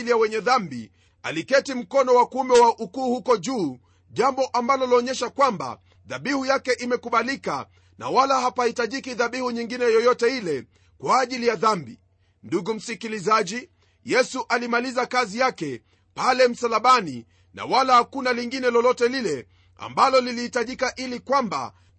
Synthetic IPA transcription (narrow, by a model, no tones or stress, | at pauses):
lijawɛɲɛðambḭ | a̰likɛtim̩kɔnɔwakuumɛwaʔukuːhukɔʄuː | ʄambɔʔambalɔlɔːɲɛʃakwamba̰ | ðaɓihujakɛʔimɛkuɓalika̰ | na̰walahapahitaʄikiðaɓihuɲiŋɡinɛjɔjɔtɛilɛ | kwaːʄilijaðambḭ | nduɡum̩sikilizaʄi | jɛsuʔalimalizakazijakɛ | palɛm̩salaɓani | na̰walahakunaliŋɡinɛlɔlɔtɛlilɛ | a̰mbalɔlilihitaʄikaʔilikwamba̰